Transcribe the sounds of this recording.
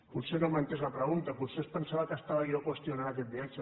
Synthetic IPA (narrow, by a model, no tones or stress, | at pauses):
buɾsenomant̪ezlapɾɐɣunt̪apusespənsaβakəst̪aβaijokwest̪jonaɾaket̪̚biat͡ʃa